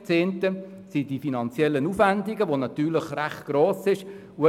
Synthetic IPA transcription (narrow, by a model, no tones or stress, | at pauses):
t͡seːntə | sidifinɑnt͡sjɛlːənufʋændiɡəʋonɑtyːlɪχræχt̚ɡ̥ɾoːsɪʃ | uə